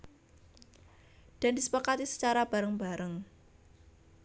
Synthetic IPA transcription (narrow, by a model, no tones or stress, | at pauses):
d̥a̤ndisə̥pakat̪isə̥t͡ʃaɾab̥a̤ɾəŋbaɾəŋ